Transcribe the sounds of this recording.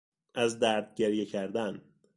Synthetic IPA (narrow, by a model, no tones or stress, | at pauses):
æzd̪æɾd̪̚ɟeɾjecʰæɾd̪æn